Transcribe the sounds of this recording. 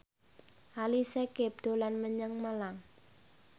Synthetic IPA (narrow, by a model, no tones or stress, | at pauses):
ʔalisekep̚d̪̥o̤lanməɲəŋmalaŋ